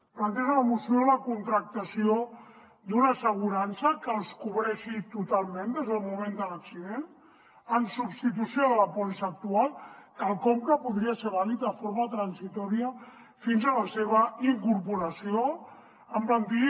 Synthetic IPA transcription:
plant̪eʒaləmusjoðləkunt̪ɾək̚t̪asio | d̪unasəɣ̞uɾansəkəlˠskuβɾɛʃit̪ut̪alˠmẽnd̪ezðəlˠmumẽnd̪ələksiðen | əmsubst̪it̪usioðələpɔlisaːk̚t̪ualˠkəlˠkɔmkəpuðɾiaseɾβ̞alit̪əfoɾmat̪ɾansit̪ɔɾiə | finzələseβ̞əiŋkuɾpuɾəsio | əmplənt̪i

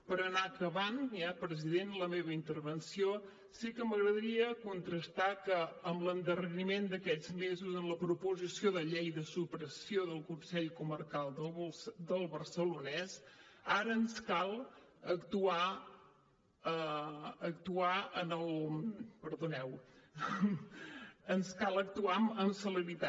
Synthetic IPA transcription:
pəɾənakəβanɛpɾəziðenləmeβəint̪əɾβənsio | sikəməɣɾəðəɾiəkunt̪ɾəst̪akəːmlənd̪ərənimend̪əkɛd͡zmezuzənləpɾupuzisioðəʎejðəsupɾəsioðəlˠkunsɛʎkumərkalˠd̪əd̪əlˠβərsəlunɛsaɾəːnskalˠ | əkt̪ua | əəkt̪uaənəlˠpəɾðunɛw | ənskalˠək̚t̪uaəmsələɾit̪a

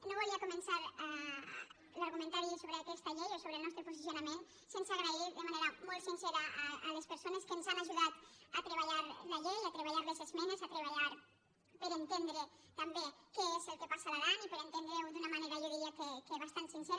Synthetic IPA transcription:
noβuliakumənsaɾ | laɾɣumənt̪aɾisoβɾəakɛst̪əʎejosoβɾəlˠnɔst̪ɾəpuzisiunəmen | sensaɣɾaiðəmaneɾəmɔlˠt̪sinsɛɾəːləspəɾsonəskənzanaʒuðat̪ət̪ɾəβaʎaɾləʎenat̪ɾəβaʎaɾðezezmɛnezat̪ɾeβaʎaɾ | pəɾənt̪end̪ɾet̪ambekeezəlˠkepasaðaðanipəɾənt̪end̪ɾewd̪unəmaneɾaʎeɣiakekeβast̪ansinsɛɾ

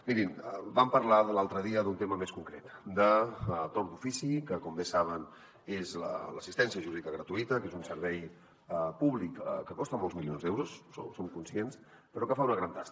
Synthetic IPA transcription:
miɾimbampəɾlaðəlalˠt̪ɾəðiəðunt̪eməmeskuŋkɾḛt̪d̪ət̪oɾd̪ufisikəkɔmbesaβ̞ən | ezlə̰ləsist̪ɛnsiəʒuɾiðikəɣɾət̪uit̪əkezunsəɾβɛj | əpuβlikə̰kːəkɔst̪əmɔlˠzmilionzd̪ewɾusːo̰somkunsiens | pəɾɔkəfaunəɣɾant̪ast̪

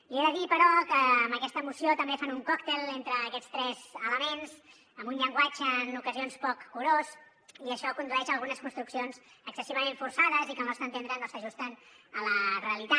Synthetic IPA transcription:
ieðəðipəɾɔkəːmbəkɛst̪əmusiot̪əmbefanuŋkɔkt̪elˠent̪ɾəːkɛt͡sst̪ɾɛzələmenz | əmbunʎəŋɡwat͡ʃəːnukəzionspɔkːuɾoz | iəʃɔkund̪ɾuɛʃəlˠɣunəskunst̪ɾuksionzəksəsiβəmeɱfursaðəzikəmast̪ənt̪end̪ɾənosəʒust̪ən | ələreəlit̪a

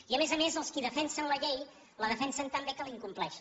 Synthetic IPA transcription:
iəmezəmezəlˠskiðəfɛnsənləʎej | ləðəfɛnsənt̪əmbekəliŋkumplɛʃ

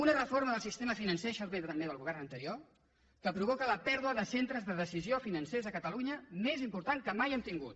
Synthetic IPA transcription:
unərəfoɾməðəlˠsist̪eməfinənseʃəɾβeðət̪əmbeðəlˠɣuβ̞ɛrnənt̪əɾio | kəpɾuβɔkələpɛɾðuəðəsent̪ɾəzðəðəsiziofinənsezəkət̪əluɲəmezimpuɾt̪aŋkəmajɛmt̪iŋɡṵt̪̚

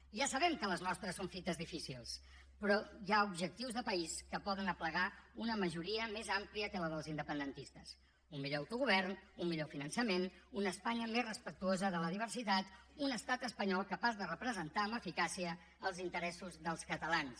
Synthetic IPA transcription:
ʒasəβɛmkələznɔst̪ɾəsːoɱfit̪əzðifisilˠs | pɾɔjaubʒək̚t̪iwzðəpəiskəpɔðənəpləɣaunəməʒuɾiəmezampliəkələðəlˠzind̪əpənd̪ənt̪ist̪əs | ummiʎowt̪uɣuβ̞ɛrnummiʎofinənsəmenunəspaɲəmezrəspək̚t̪uozəðələðiβ̞ərsit̪at̪unəst̪at̪əspəɲɔlˠkəpazðərəpɾəzənt̪aəməfikasiəː | lˠzint̪əɾɛsuzðəlˠskət̪əlans

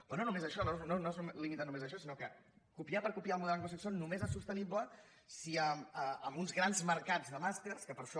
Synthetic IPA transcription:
ononumezəʃɔnononoeznumelimit̪anumezəʃɔsinokəkupiapəɾkupialˠmuðɛlaŋɡus̬iksonnumezɛsust̪əniblə | siəməəmbunzɣɾanzməɾkad͡zðəmast̪erskəpəɾʃɔ

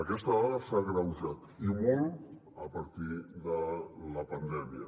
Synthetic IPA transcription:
əkɛst̪əɔðəsaɣɾəwʒat̪imɔlˠt̪ | əpəɾt̪iðələpənd̪ɛmiə

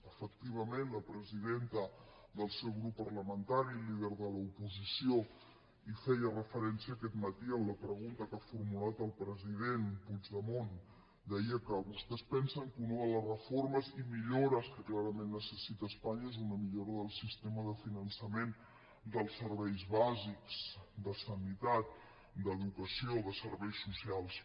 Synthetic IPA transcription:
əfək̚t̪iβ̞əmenləpɾəziðent̪ə | d̪əlˠsɛwɣɾupːərləmənt̪aɾiliðəɾðələupuzisio | ifɛjərəfəɾɛnsiəːkɛt̪mət̪iəmləpɾəɣunt̪əkafuɾmulat̪əlˠpɾəziðenpuzðəmon | d̪əiəkawust̪ɛspɛnsəŋkunəðələzrəforməzimiʎoɾəskəklaɾəmenːəsəsit̪əːspaɲəezunəmiʎoɾəðəlˠsist̪eməðəfinənsəmen | d̪əlˠsːəɾβɛjzβazikzd̪əsənit̪at̪̚ | d̪əðukəsioðəsəɾβɛjsːusialˠs

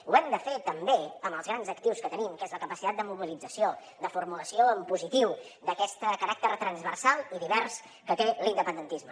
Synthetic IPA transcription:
uɛmd̪əfet̪əmbeəməlˠzɣ̞ɾanzəkt̪iwskət̪ənimkezləkəpəsit̪at̪̚d̪əmuβilid͡zəsio | d̪əfuɾmuləsioəmpuzit̪iw | d̪əkɛst̪əkəɾak̚t̪əɾt̪ɾənzβərsalˠiðiβɛrs | kət̪elind̪əpənd̪ənt̪izmə

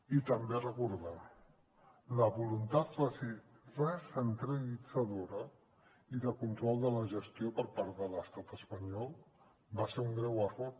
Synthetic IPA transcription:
it̪əmberəkuɾða | ləβulunt̪at̪base | rəsənt̪ɾəlid͡zəðoɾə | iðəkunt̪ɾɔlˠd̪ələʒəst̪iopəɾpaɾðələst̪at̪əspəɲɔlˠ | baseuŋɡɾɛwərɔɾ

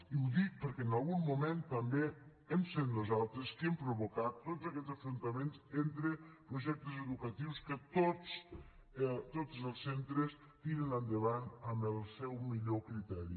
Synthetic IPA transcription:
iuðik̚pəɾkɛnalˠɣummument̪ɐmbe | ɛmset̪nuzalˠt̪ɾeskempɾuβukat̪ːotzɐkɛzəfɾunt̪ɐmenzent̪ɾepɾuʒɛk̚t̪uzeðukɐt̪iwskət̪os | t̪otzəlˠsːent̪ɾes | t̪iɾenənd̪əβanəmbəlˠsɛwmiʎokɾit̪ɛɾḭ

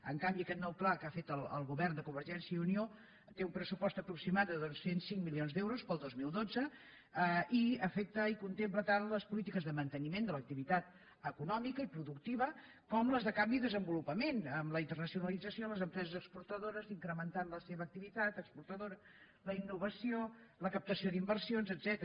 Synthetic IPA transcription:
ə̰ŋkambiəkɛt̪nɔwplakafet̪əlˠə̰lˠɣuβɛrnd̪əkumbəɾʒɛnsjəiunio | t̪eumpɾəsupɔst̪əpɾuksimat̪̚d̪əðosensːiŋmilionzd̪ɛwɾuspəlˠd̪ozmilˠd̪od͡zə | əiəfɛk̚t̪əikunt̪emplət̪anləspulit̪ikəzðəmənt̪ənimend̪ələk̚t̪iβit̪at̪ | əkunɔmikəipɾuðuk̚t̪iβə | kɔmləzðəkambiðəzəmbulupəmenəmləint̪ərnəsiunəlid͡zəsioləzəmpɾɛzəzəkspuɾt̪əðoɾəziŋkɾəmənt̪anləseβəːk̚t̪iβit̪at̪əkspuɾt̪əðoɾə | ləinːuβəsioləkəp̚t̪əsioðimbərsionzəd̪zɛt̪əɾ

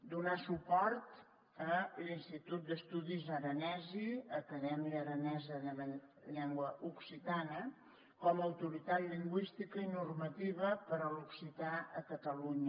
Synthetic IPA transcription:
d̪unasupɔɾt̪ | əlinst̪it̪ut̪̚d̪əst̪uðizəɾənɛziəkəðɛmiəɾənɛzəələʎɛŋɡwəʔuksit̪anə | kɔməəwt̪uɾit̪at̪liŋɡwist̪ikəinurmət̪iβəpəɾəluksit̪aəkət̪əluɲə

